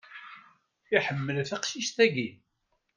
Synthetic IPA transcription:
iħəmːəlθaqʃiʃt̪æɡi

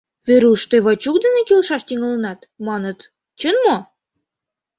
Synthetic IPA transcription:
veɾuʃt̪eβɑt͡ɕuk̚d̪ə̆nekilʃɑʃt̪iŋɤ̆lɤ̆nɑt̪ | mɑnɤ̆t̪ | t͡ɕə̆nmo

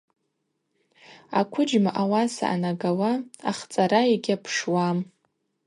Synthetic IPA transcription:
akʷʰʊd͡ʒmaʔawasa̰ʔa̰naɡawaaχt͡sʼaɾaiɡʲapʰʂwam

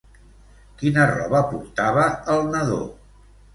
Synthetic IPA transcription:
kinərɔ̰βəpuɾt̪aβəːlˠnəðo̰

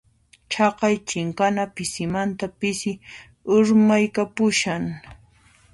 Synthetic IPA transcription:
t͡ʃɑqɑjt͡ʃɪŋkanapɪsɪmant̪apɪsɪ | ʊɾmajkapʊʃaŋ

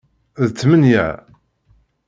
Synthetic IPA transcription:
ðt͡sːmənjæ̰ʕ

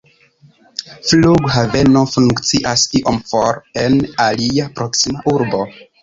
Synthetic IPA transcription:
fluɡhave̞no̞fuŋkt͡siʔasiʔomfoɾe̞naliapɾo̞ksimaʔuɾbo̞

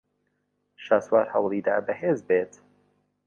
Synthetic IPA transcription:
ʃaːswaːɾhɐwlˠiːd̪a̰ːbɛheːzbet̪

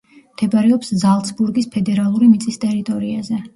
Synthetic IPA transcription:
md̪̥ɛbaɾɛɔpszalˠt̪sʰbuɾɡispʰɛd̪ɛɾalˠuɾimit̪sʼist̪ʼɛɾit̪ʼɔɾiazɛ

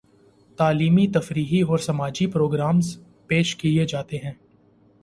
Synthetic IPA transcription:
t̪aːliːmit̪ɐfɾiːɦiɔːɾsɐmaːd͡ʒipɾoːɡɾaːmz | peːʃkied͡ʒaːt̪eɦɛ̃ː

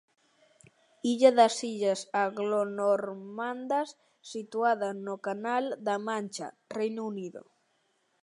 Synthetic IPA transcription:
iʎaðɐsiʎasaɣlonoɾmand̪asː | it̪uaðanokanald̪amãnʲt͡ʃa̰ | rejnuniðo̰

